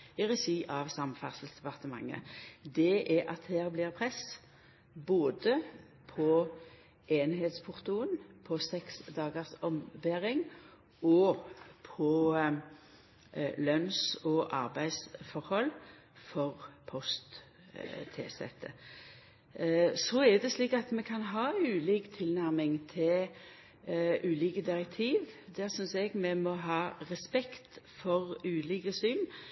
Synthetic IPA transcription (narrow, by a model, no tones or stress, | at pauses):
ɪʁɛsiːʔɑʋsɑmfɑsəlt̪sd̪ɛpɑʁt̪əmɑ̰ŋːə̰d̪ɛʔɛɑ̰t̪hæːʁblɪʁpʰʁɛs | boːd̪ə | pʰɔ | eːnheːt̪spʰʊʁt̪uːənpʰɔsɛksd̪ɑːɡəʁsɔmbæːɾɪŋ | ɔpʰɔ | lœnsɔʔɑʁbæɪsfɔɾhɔlː | fɔʁpʰɔst̪ | t̪ʰeːsɛ̰t̪ʰːə̰ | sɔɛd̪ɛsliːkɑt̪mɛkʰɑnɦɑːʉːliːkt̪ʰɪlnæɾmɪŋt̪ʰɪl | ʔʉːliːkəd̪ɪɾɛk̚t̪ʰiːʋd̪æːɾsʏnsɛɡmɛmɔɦɑːʁɛspɛkt̪fɔʁʉːliːkəsyːn